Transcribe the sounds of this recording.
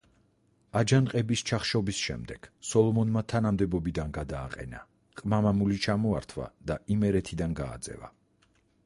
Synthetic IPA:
ad͡ʒanqʼɛbist͡ʃʰaχʃɔbisʃɛ̰md̪ɛɡ̥sɔlˠɔmɔnmat̪ʰanamd̪ɛbɔbid̪anɡad̪aːqʼɛ̰na | qʼmamamulit͡ʃʰamɔaɾt̪ʰva̰d̪̥aimɛɾɛt̪ʰid̪anɡa̰ːd̪zɛ̰va̰

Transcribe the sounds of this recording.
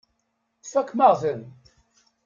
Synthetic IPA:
fækːmaʁðən

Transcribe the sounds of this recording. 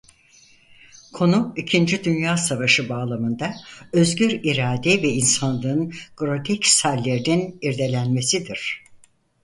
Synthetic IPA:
kʰo̞nuicʰind͡ʒid̪ynjaːsavaʃɯbaːlˠamɯnd̪aø̞zɟyɾiɾaːd̪ɛvɛinsanlˠɯnɡ̥ɾo̞t̪ʰɛcsalʲːeɾininiɾd̪e̞lʲænme̞sid̪iɾ̝̥

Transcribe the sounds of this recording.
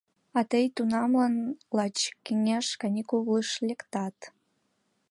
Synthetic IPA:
ɑt̪əjt̪unɑmlɑnlɑt͡ɕkeŋeʃkɑnʲikuβləʃlʲekt̪ɑt̪

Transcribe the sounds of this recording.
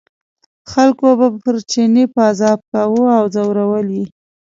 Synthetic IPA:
xalkobapəɾt͡ʃenepəazɑb̚kawuawzawɾawəlwi

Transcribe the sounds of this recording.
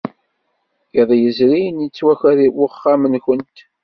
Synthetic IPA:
jəðˤjəzɾinjət͡sːwæçæɾiwəχːamənçənt̪

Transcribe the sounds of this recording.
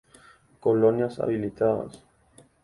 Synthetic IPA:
kolonjasa̰βilit̪aða̰s

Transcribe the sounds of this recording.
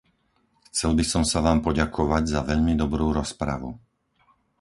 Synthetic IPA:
xt͡sɛlbisɔmsaʋaːmpɔɟakʰɔʋaɟzaʋɛʎmid̪ɔbɾuːɾɔspɾa̰ʋṵ

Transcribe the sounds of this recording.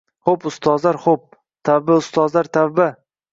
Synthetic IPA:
χopʊst̪ʰɒzlaɾχop̚ | t̪ʰabaʊst̪ɒzlaɾt̪ʰabba

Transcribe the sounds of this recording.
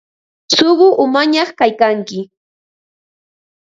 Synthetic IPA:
soɢʊʔʊmaɲɑχkajkaŋkɪ

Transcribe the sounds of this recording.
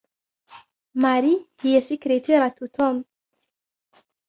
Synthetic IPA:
maɾihiasikɾet̪ʰeɾat̪ut̪ʰɔm

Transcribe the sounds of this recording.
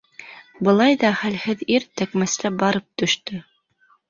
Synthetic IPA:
bɤ̆lˠɑjðɑχælhɘðiɾt̪ækmæst̪æbɑɾɤp̚t̪ɵ̆ʃt̪ɵ

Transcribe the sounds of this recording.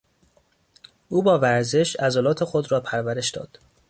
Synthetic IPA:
ʔuːbɒːvæɾze̞ʃæzolɒːt̪ʰe̞xod̪ɾɒːpʰæɾvæɾe̞ʃd̪ɒ̰ːd̪̥

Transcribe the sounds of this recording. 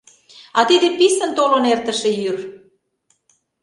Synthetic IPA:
ɑt̪id̪episə̆nt̪olonert̪ə̆ʃĕjyr

